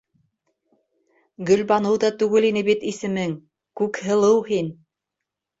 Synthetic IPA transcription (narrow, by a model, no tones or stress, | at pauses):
ɡɵ̆lbɑnɤwðɑt̪ʉɡɘlinɘβit̪isɘ̆mɘŋ | kʉkhɤ̆lˠɤwhin